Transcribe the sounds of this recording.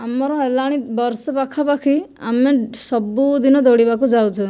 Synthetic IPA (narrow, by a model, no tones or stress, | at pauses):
amɔɾɔ̃elaɽ̃ibɔɾsɔpakʰapakʰi | a̰mesɔbud̪inɔd̪oɽibakud͡ʒawt͡ʃʰɔ